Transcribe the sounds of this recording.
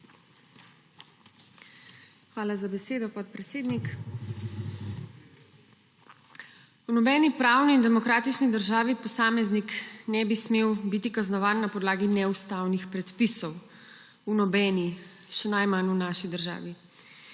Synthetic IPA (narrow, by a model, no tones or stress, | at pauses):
xʋaːlazabɛseːd̪ɔpɔt̪̚pɾɛt̪seːd̪nik | unɔbɛnipɾaːwniːnd̪ɛmɔkɾaːt̪it͡ʃnid̪əɾʒaːʋipɔsaːmɛzniknɛbismeːwbit̪ikaznɔʋaːnːapɔd̪laːɡinɛust̪awnixpɾɛt̪pisɔw | unɔbɛni | ʃɛnajmanunaʃid̪əɾʒa̰ːʋi